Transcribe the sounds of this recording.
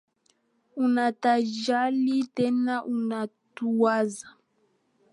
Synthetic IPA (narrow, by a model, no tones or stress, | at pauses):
unataʒalitɛnaʔunatuwaza